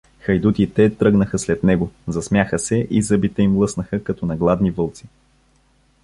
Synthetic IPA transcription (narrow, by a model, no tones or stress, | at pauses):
xɐjd̪ut̪it̪ɛt̪ɾɤɡnəxəslɛt̪nɛɡozɐsmʲjaxəsɛʔizəbit̪ɛimlˠɤsnəxəkɐt̪ɔnɐɡlˠad̪nivɤlˠt̪si